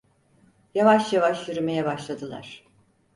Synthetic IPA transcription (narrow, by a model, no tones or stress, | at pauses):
javaʃjavaʃjyɾyme̞jɛbaʃlˠad̪ɯlˠa̰ɾ̥